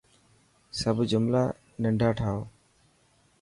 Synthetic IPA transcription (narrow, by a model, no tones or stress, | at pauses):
səbʱd͡ʒʊmlaː | nəɳɖʱaːʈʰaːoː